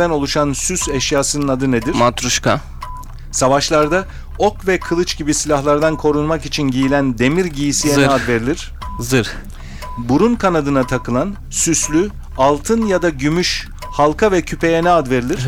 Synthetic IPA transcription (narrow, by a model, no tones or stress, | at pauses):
æno̞lˠuʃansysɛʃjaːsɯnɯnad̪ɯne̞d̪iɾ̥mat̪ɾuʃka | savaʃlˠaɾd̪a | o̞kvɛkʰɯlˠɯt͡ʃɟibisilʲahlˠaɾd̪ankʰo̞ɾunmakit͡ʃʰinɟijilʲænd̪e̞miɾɟijisijɛnɛad̪ve̞ɾilʲiɾ̥ | zɯɾ | buɾunkʰanad̪ɯnat̪ʰakɯlˠan | syslʲy | alˠt̪ʰɯnjad̪aɟymyʃ | halˠkʰavɛcʰypʰe̞jɛnɛad̪ve̞ɾilʲiɾɾ̥